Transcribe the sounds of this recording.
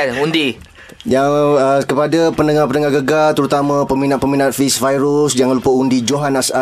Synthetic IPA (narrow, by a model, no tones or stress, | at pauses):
undi | jaŋəkəpadapənəŋapəndəŋaɡəɡalt̪əɾut̪amãpəmĩnaʔ̪pəminãt̪̚fisfajɾusd͡ʒaŋãlupəundid͡ʒoɦanasa